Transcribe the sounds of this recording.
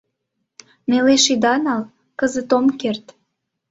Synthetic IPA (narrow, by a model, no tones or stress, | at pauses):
meleʃid̪ɑnɑl | kəzət̪omkert̪